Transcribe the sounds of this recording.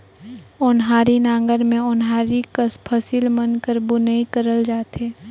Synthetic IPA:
ʊnɦaːɾinãːŋɡəɾmẽʊnɦaːɾikəspʰɐsilmənkəɾbʊnəikəɾəld͡ʒaːt̪eː

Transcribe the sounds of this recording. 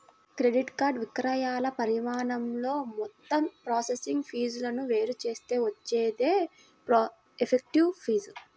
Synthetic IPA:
kɾe̞ɖiʈkaːɾɖʋikɾɐjaːlɐpɐɾimaːɳɐmlo̞ːmɔt̪ːɐmpɾaːsesiŋɡpʰiːd͡ʒulɐnuʋe̞ːɾut͡ʃe̞ːst̪e̞ːʋɐt͡ʃːeːd̪eː | pɾ | epʰek̚ʈiʋpʰiːd͡ʒu

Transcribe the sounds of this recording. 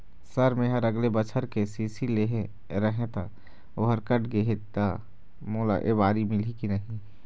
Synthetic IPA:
səɾmẽɦəɾəɡlebət͡ʃʰəɾkesiːsileɦẽ | ɾəɦẽt̪a | oɦəɾkəʈʰɡeɦet̪a | moːla̰ʔḛbaːɾimɪlikinəɦĩ

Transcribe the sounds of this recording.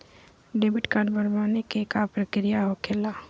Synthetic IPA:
ɖeːbɪʈkaɖbəɾbaːnekekapɾəkɾijaɦokʰeːlaː

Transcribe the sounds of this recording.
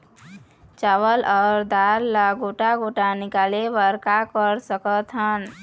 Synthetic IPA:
t͡ʃawəlɔːɾd̪aɾːaɡoʈaɡoʈanikalebəɾkakəɾsəkət̪ɦən

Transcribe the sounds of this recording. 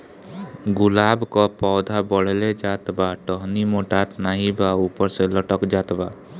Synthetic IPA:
ɡulabkɔpɔwd̪ʱabɔɽ̤eled͡ʒat̪baʈɔɦnimoʈat̪naɦĩbaupɔɾselɔʈɔkd͡ʒat̪ba

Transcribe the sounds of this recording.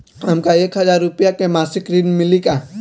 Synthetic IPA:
ɦɐmkaeːkɦəzaːɾːʊpjakemaːsɪkɾinmɪlika

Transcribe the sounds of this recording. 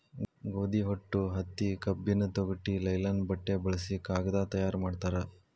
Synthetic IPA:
ɡoːd̪iɦoʈːuɦɐt̪ːikɐbːinɐt̪oɡɐʈːilɐjlɐnbɐʈːebɐɭɐsikaːɡɐd̪aːt̪ɐjaːɾmaːɖt̪aːɾe

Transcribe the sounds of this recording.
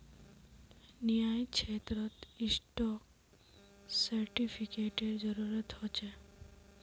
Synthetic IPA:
nijaːjkʃeːt̪ɾət̪ɪsʈɔk | səɾʈipʰikeʈeɾd͡ʒəɾuɾət̪hot͡ʃe

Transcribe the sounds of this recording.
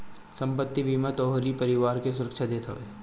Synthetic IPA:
sɐ̃mpət̪ːibʱimat̪ɔːɦɾipɐɾɪʋaːɾkes̬ʊɾəkʃad̪eːt̪ʰɐʋḛː

